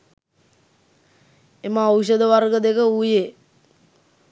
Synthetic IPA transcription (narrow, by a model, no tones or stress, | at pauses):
emaowʃ̬əd̪əʋarɡəd̪ekəujeː